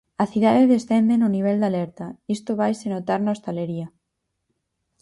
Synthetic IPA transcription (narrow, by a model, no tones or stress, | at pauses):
aθiðaðeðesθend̪enoniβ̞eld̪aleɾt̪aist̪oβ̞ajsenot̪aɾnost̪aleɾia